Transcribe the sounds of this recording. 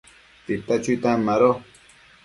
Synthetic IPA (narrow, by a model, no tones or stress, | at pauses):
t̪it̪at͡ʃut̪amːaɾo